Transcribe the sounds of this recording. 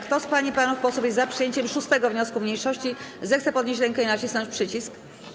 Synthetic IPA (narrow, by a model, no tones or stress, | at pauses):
kt̪ɔspaɲipanufpɔsufʲjɛzzapʂɘjeɲt͡ɕɛmʂust̪ɛɡɔvɲɔskumɲejʂɔɕt͡ɕizɛxt̪sɛpɔd̪ɲeɕt͡ɕ̬ɾɛŋkɛinat͡ɕisaʂpʂɘt͡ɕisk